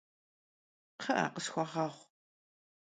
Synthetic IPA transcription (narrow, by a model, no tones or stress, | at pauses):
qʰɐʔa̰ːqəsxʷɔʁɑːʁʷ